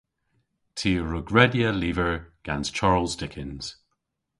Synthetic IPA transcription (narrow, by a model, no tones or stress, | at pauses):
tʰiːɹʊɡɹɛdjəliːvəɹɡ̥anz̥t͡ʃʰaɹlˠzdɪkʰɪ̃nz̥